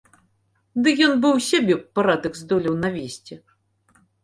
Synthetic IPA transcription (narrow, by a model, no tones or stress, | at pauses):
d̪ɨjɔnbɨwsʲabʲɛpːaɾad̪ɐkzd̪ɔlʲɐwnavʲesʲt͡sʲɛ